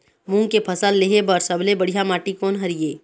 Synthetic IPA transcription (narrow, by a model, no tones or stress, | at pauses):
mũŋɡkepʰəsəlːeɦebəɾsəblebəɽ̤ijamaːʈikɔːnɦɐɾijeː